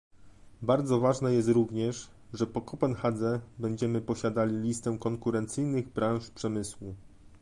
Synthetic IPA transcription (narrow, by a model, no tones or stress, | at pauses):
baɾd̪zɔvaʐnɛjɛs̬t̪ɾuvɲɛʂ | ʐɛpɔkɔpɛnxad̪zɛbɛɲd͡ʑɛmɘpɔɕad̪alʲilʲist̪ɛw̃kɔŋkuɾɛnt̪sɘjnɘɣbɾãw̃ʂpʂɛmɘswu